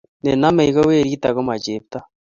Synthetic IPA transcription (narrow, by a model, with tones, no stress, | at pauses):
ne˨na˦me˨i˦ɣo˦we˦˨ɾi˦ta˨ɣo˦ma˨t͡ʃe˨pta˦